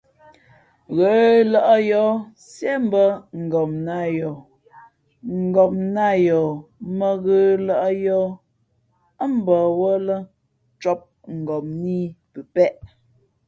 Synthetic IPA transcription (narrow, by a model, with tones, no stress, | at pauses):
ɣə˨˦lɔ˨ʔə˦jɔ˨˦ | sje˦m˦bə˦ŋ̩˨ɡɔ˨mna˦˨jɔ˨ | ŋ̩˨ɡɔ˨mna˦˨jɔ˨mə˦˨ɣə˨˦lɔ˨ʔə˦jɔː˦ | ə˦m˦bɔ˨wɔ˦lə˦ | t͡ʃɔ˦p̚ | ŋ̩˨ɡɔ˨mni˦pə˨pɛ˦ʔ